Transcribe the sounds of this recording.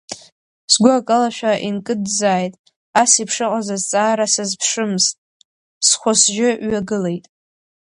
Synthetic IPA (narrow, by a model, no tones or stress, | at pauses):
sɡʷʊakʼalaʃᶣaʔinkʼɨdzaːjtʼ | asipʰʂɨqʼazazt͡sʼaːɾasɨzpʰʂɨmztʼ | sχʷosʒɪɥaɡɨle̞jtʼ